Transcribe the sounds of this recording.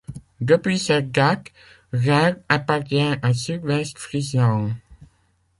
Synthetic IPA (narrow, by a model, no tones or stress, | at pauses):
d̪əpɥisɛt̚ɡak | ʁɛʁapaʁt̪jɛ̃asydwɛst̪fʁizɑ̃